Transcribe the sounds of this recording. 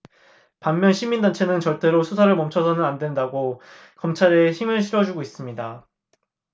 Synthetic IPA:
pamːjʌnɕʰimindant͡ɕʰe̞nɯnt͡ɕʌɭt͈e̞ɾosʰusʰaɾɯɭmʌmt͡ɕʰʌsʰʌnɯnandwe̞ndaɡo | kʌmt͡ɕʰaɾe̞çimɯɭɕʰiɾʌd͡ʑuɡois͈ɯmɲida

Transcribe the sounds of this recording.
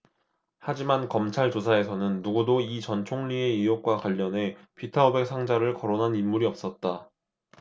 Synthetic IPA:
had͡ʑimankʌmt͡ɕʰaɭt͡ɕosʰae̞sʰʌnɯnːuɡudoit͡ɕʌnt͡ɕʰoŋʎie̞ijok̚k͈wakwaʎːʌne̞pʰitʰaobe̞k̚sʰaŋd͡ʑaɾɯɭkʌɾonɦanimːuɾiʌp̚s͈ʌt̚t͈a

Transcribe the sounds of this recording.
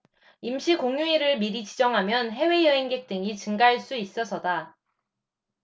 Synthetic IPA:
imɕʰikoŋjuiɾɯɭmiɾit͡ɕid͡ʑʌŋɦamjʌnɦe̞we̞jʌɦeŋɡe̞k̚t͈ɯŋit͡ɕɯŋɡaɦaɭs͈uis͈ʌsʰʌda

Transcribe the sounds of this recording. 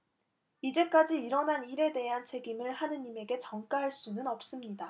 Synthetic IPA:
id͡ʑe̞k͈ad͡ʑiiɾʌnɦaniɾe̞de̞ɦant͡ɕʰe̞ɡimɯɭhanɯɲime̞ɡe̞t͡ɕʌŋk͈aɦaɭs͈unɯnʌp̚s͈ɯmɲida

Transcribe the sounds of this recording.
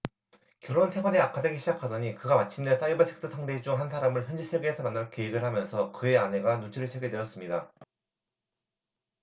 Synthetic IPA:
kjʌɾonhʰe̞ɡwaɾeakʰadeɡeɕʰid͡ʑakʰadʌɲikɯɡamat͡ɕʰimdes͈ajibat͡ɕʰek̚s͈ʰɯsʰaŋded͡ʑuŋɦansʰaɾamɯɭçjʌnd͡ʑisʰeɡeːsʰʌmanːɯɭkeiɡɯɭhamjʌnsʰʌkɯe̞ane̞ɡanut͡ɕʰiɾɯɭsʰeɡedwe̞jʌs͈ɯmɲida

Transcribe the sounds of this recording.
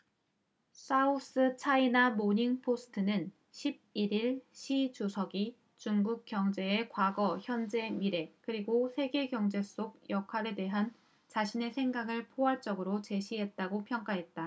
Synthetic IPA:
s͈aus͈ɯt͡ɕʰainamoɲiŋpʰosʰɯ̥tʰɯnɯn | ɕʰib̚iɾiɭɕʰit͡ɕusʰʌɡi | t͡ɕuŋɡuk̚k͈jʌŋd͡ʑe̞ːkwaɡʌçjʌnd͡ʑe̞miɾe̞kɯɾiɡosʰe̞ɡe̞ɡjʌŋd͡ʑe̞s͈oɡ̚jʌkʰwaɾe̞de̞ɦan | t͡ɕaɕʰine̞sʰe̞ŋɡaɡɯɭpʰoɦaɭt͡ɕ͈ʌɡɯɾot͡ɕe̞ɕʰiɦe̞t̚t͈aɡopʰjʌŋk͈aɦe̞t̚t͈a

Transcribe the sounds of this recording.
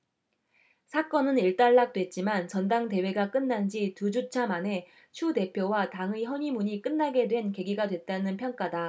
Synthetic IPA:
sʰak͈ʌnɯniɭt͈aɭːak̚t͈we̞t̚t͡ɕ͈imant͡ɕʌndaŋte̞we̞ɡak͈ɯnːand͡ʑitud͡ʑut͡ɕʰamane̞ | t͡ɕʰude̞pʰjowataŋɯɦʌɲimuɲik͈ɯnːaɡe̞dwe̞nke̞ɡiɡadwe̞t̚t͈anɯnpʰjʌŋk͈ada

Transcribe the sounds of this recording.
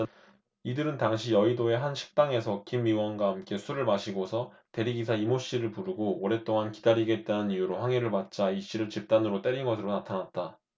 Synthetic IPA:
idɯɾɯntaŋɕʰiʌidoe̞ɦanɕʰi̥k̚t͈aŋe̞sʰʌkimːiwʌnɡwaɦamk͈e̞sʰuɾɯɭmaɕʰiɡosʰʌ | te̞ɾiɡisʰaimoɕ͈iɾɯɭpuɾuɡoːɾe̞t͈oŋankidaɾiɡe̞t̚t͈anɯnijuɾoɸwaŋeɾɯɭpat̚t͡ɕ͈aiɕ͈iɾɯɭt͡ɕip̚t͈anɯɾot͈e̞ɾinɡʌsʰɯɾonatʰanat̚t͈a

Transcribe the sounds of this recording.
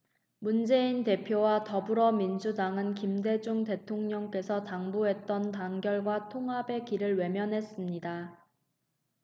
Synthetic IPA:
mund͡ʑe̞inte̞pʰjowatʌbuɾʌmind͡ʑudaŋɯnkimde̞d͡ʑuŋte̞tʰoŋɲʌŋk͈e̞sʰʌtaŋbuɦe̞t̚t͈ʌntaŋɡjʌɭɡwatʰoŋɦabe̞kiɾɯɭwe̞mjʌnɦe̞s͈ɯmɲida

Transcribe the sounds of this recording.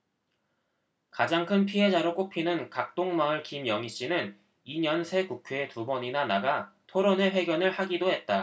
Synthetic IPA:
kad͡ʑaŋkʰɯnpʰiɦe̞d͡ʑaɾok͈opʰinɯnkak̚t͈oŋmaɯɭkimjʌŋiɕ͈inɯn | iɲʌnsʰe̞kukʰeetubʌɲinanaɡatʰoɾone̞ɸwe̞ɡjʌnɯɭhaɡidohe̞t̚t͈a

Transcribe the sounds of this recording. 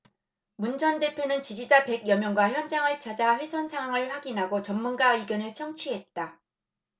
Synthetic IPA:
mund͡ʑʰʌnde̞pʰjonɯnt͡ɕid͡ʑid͡ʑape̞ɡjʌmjʌŋɡwaçjʌnd͡ʑaŋɯɭt͡ɕad͡ʑaɸwe̞sʰʌnsʰaŋwaŋɯɭɸwaɡinɦaɡot͡ɕʌmːunɡaiɡjʌnɯɭt͡ɕʰʌŋt͡ɕʰiɦe̞t̚t͈a

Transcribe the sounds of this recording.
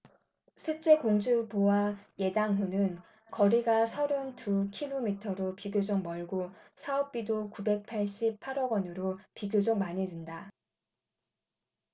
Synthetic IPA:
sʰet͡ɕ͈e̞koŋd͡ʑubowaje̞daŋɦunɯn | kʌɾiɡasʰʌɾɯntukʰiɭomitʰʌɾopiɡjod͡ʑʌŋ̚mʌɭɡosʰaʌp̚p͈idokube̞k̚pʰaɭɕ͈ipʰaɾʌɡwʌnɯɾopiɡjod͡ʑʌŋmaɲid͡ʑɯnda

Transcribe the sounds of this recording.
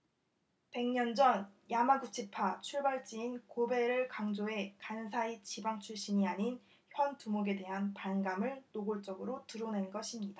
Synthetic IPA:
pe̞ŋɲʌnd͡ʑʌnjamaɡut͡ɕʰipʰat͡ɕʰuɭbaɭt͡ɕ͈iinkobe̞ɾɯɭkaŋd͡ʑoe̞kansʰait͡ɕibaŋt͡ɕʰuɭɕ͈iɲiaɲin | çjʌntumoɡe̞de̞ɦanpanɡamɯɭnoɡoɭt͡ɕ͈ʌɡɯɾotɯɾone̞nɡʌɕʰimɲida

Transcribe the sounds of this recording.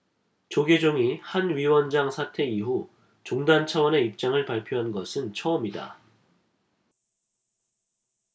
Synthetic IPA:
t͡ɕoɡed͡ʑoŋihanɥiwʌnd͡ʑaŋsʰatʰe̞iɦu | t͡ɕoŋdant͡ɕʰawʌne̞ip̚t͡ɕ͈aŋɯɭpaɭpʰjoɦanɡʌsʰɯnt͡ɕʰʌʌmida̰

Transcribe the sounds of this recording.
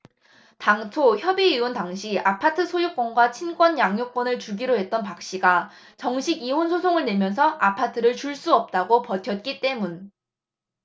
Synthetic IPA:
taŋtʰoçjʌbiiontaŋɕʰiapʰatʰɯsʰojuk̚k͈ʌnɡwat͡ɕʰink͈wʌnjaŋjok͈wʌnɯɭt͡ɕuɡiɾoɦe̞t̚t͈ʌnpak̚ɕ͈iɡa | t͡ɕʌŋɕʰiɡiɦonsʰosʰoŋɯɭne̞mjʌnsʰʌapʰatʰɯɾɯɭt͡ɕuɭs͈uʌp̚t͈aɡopʌtʰjʌt̚k͈it͈e̞mun

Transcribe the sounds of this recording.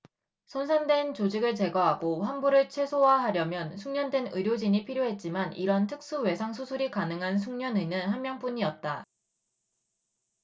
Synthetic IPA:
sʰonsʰaŋdwe̞nt͡ɕod͡ʑiɡɯɭt͡ɕe̞ɡʌɦaɡoɸanbuɾɯɭt͡ɕʰwe̞sʰowaɦaɾjʌmjʌnsʰuŋɲʌndwe̞nɯɾjod͡ʑiɲipʰiɾjoɦe̞t̚t͡ɕ͈imaniɾʌntʰɯk̚s͈uwe̞sʰaŋsʰusʰuɾikanɯŋɦansʰuŋɲʌnɯnɯnɦanmjʌŋp͈uɲiʌt̚t͈a

